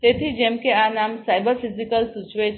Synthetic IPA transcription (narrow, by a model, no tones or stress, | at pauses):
t̪et̪ʰid͡ʒemkeanamsajbəɾfizikəlsut͡ʃʋe